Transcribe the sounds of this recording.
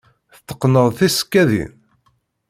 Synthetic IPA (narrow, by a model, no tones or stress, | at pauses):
θət̪ːə̥qːnəðˤθiskːæðḭn